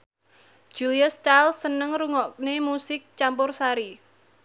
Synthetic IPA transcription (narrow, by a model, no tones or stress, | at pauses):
ʒ̥uliastalsənəŋɾuŋɔk̚nemusɪk̚t͡ʃampʊrsaɾi